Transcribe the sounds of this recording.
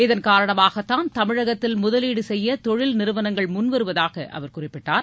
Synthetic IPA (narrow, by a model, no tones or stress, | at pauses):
ɪðɐnkaːɾɐɳɐmaːɣɐt̪ːaːnt̪ɐmɪɻɐɣɐt̪ːɪlmʊðɐliːɽɯsɛjːɐt̪ɔɻɪlnɪɾɯʋɐnɐŋɡɐɭmʊnʋɐɾɯʋɐðaːɣɐʔɐ̰ʋɐɾkʊrɪpːɪʈːaːɾ